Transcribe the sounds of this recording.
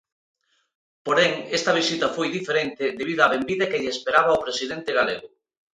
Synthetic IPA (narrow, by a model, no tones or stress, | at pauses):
poɾeŋest̪ɐβ̞isit̪ɐfojðifeɾent̪ɪðeβ̞iðoaβembiðɐkeʎeespeɾaβɐopɾesiðent̪eɣaleɣʊ